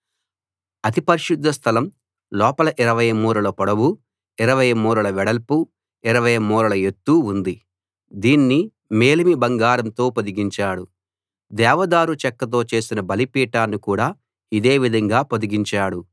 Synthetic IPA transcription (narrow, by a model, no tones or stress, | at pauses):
ɐt̪ipɐɾiʃud̪ʱːɐst̪ʰɐlɐm | lɔːpɐlɐʔiɾɐʋɐjɐmuːɾɐlɐpɔɽɐwu | iɾɐʋɐjɐmuːɾɐlɐʋɛɽɐlpu | iɾɐʋɐjɐmːuːɾɐlɐe̞t̪ːuːnd̪i | d̪iːnːi | me̞ːlimibɐŋɡaːɾɐmt̪o̞ːpod̪iɡiɲt͡ʃaːɽu | d̪ɛːʋɐd̪aːɾut͡ʃɛkːɐt̪̬o̞ːt͡ʃe̞ːsinɐbɐlipiːʈaːnːikuːɽaː | id̪e̞ːʋid̪ʱɐŋɡaːpod̪iɡiɲt͡ʃaːɽu